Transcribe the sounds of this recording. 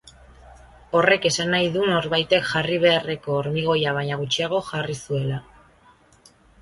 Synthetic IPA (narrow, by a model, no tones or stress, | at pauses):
o̞re̞ke̞sanajðuno̞ɾβajt̪e̞kʝariβ̞e̞are̞ko̞ːɾmiɣ̞o̞jaβ̞aɲaɣ̞ut͡ʃiaɣ̞o̞ʝarisue̞la